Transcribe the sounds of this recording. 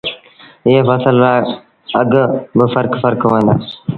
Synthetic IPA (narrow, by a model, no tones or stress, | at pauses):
eːfəsəlɾaː | əɡbəfəɾkfəɾkʋ̃ːnd̪a̰ː